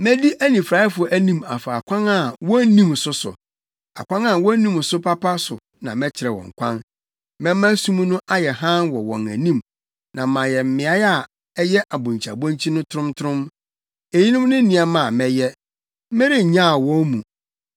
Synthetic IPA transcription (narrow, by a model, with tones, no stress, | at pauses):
mɛ̃˦di˦ʔæ˦nĩ˨fɾa˨ɪ˦fʊ˨ɔ˨ʔæ˦nĩ˦ma˨fa˨a˨kʷʰã˦na˨wɔ˦nĩ˦m˨sʊ˨sʊ̰˨ | a̰˨kʷã˦na˨wɔ̃˦nĩ˦m˨sʊ˦pʰa˦pʰa˦sʊ˨ | nã˨mɛ̃˦t͡ɕʰɪ˨ɾɛ˨wɔ̰̃˨ŋ̩˨kʷʰã̰˦n | mɛ̃˦mːã˦sũ˦m˦nʊ̃˦ʔa˦jɛ˨ɦã˦nwɔ˨wɔ̃˨næ̰˨nĩ˦˨m | nã˨mã˨jɛ˨m̩˦mɪ̃˨a˦ja˨ | ɛ˦jɛ˦ʔa˨bʊ̃˨ɲ˨t͡ɕʰa̰˨bɔ̃˦ɲ˦t͡ɕʰi˦nʊ̃˦tʰʊ˦ɾʊ̃˦mtʰʊ˦ɾʊ̃˦m | e˨ji˦nʊ̃˦m˦nʊ̃˦nĩ˨a˨mã˨mɛ˨jɛ˦ | mɪ̃˦ɾɪ˦˨ɲã˦˨wɔ̃˦nmũ˨